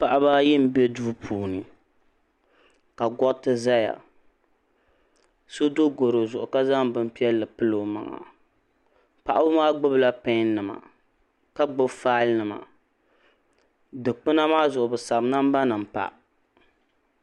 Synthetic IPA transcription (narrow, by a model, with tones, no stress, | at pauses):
pa˨ʔa˦ba˦jɪ˦m̩˨be˦duː˦pʰuː˨nɨ˨ | ka˨ɡɔ˦tɨ˦za˦ja̰˨ | so˦do˦ɡo˨ɾo˨zʊ˨ʔʊ˨ka˦za˦ŋbɨ˦m˦pi˦ɛ˦lːɨ˨pɨ˦lo˨ma̰˨ŋa̰˨ | pa˨ʔa˦bɨ˦maː˦ɡ͡bʊ˦bla˦pɛ˦n˦nɨ˨ma̰˨ | ka˦ɡ͡bʊ˦bfaː˦lnɨ˨ma̰˨ | dɨ˨k͡pɨ˦na˦maː˦zʊ˨ʔʊ˨bɨ˨sa˨bna˦m˦ba˦nɨ˨m̩˨pa̰˨ʔ